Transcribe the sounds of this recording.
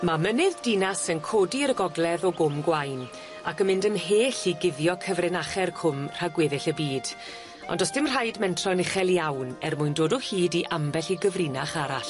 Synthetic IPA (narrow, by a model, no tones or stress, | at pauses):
mamənɨðdinasənkʰoːdiəɾəɡɔɡlɛðɔɡʊmɡwajn | akəmɪndəmɦeːɬiɡɪðjɔkʰəvrɪnaχɛrkʰʊmr̥aɡweðɪɬəbiːd̥ | ɔ̰ndɔsd̥ɪmr̥ajdmɛntʰrɔnɪχɛlˠjawnɛrmʊɨndoːdɔhiːdiʔambɛɬiɡəvrinaχaɾaɬ